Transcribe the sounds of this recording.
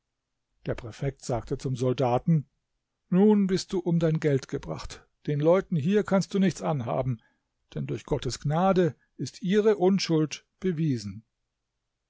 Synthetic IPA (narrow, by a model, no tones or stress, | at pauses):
d̥eːɐpʁ̥ɛfɛk̚tz̥aːktʰət͡sʊmzɔldaːtn̩ | nuːnbɪst̚d̥uːʔʊmdaɪnɡɛltɡ̥əbʁa̰χt | d̥eːnlɔʏtn̩ɦiːɐkʰanst̚d̥uːnɪçt͡sʔanɦa̰ːbm̩ | d̥ɛndʊɐçɡ̥ɔtəsɡ̥naːdə | ʔɪstʔiːʁəʔʊnʃʊlt | b̥əviːzn̩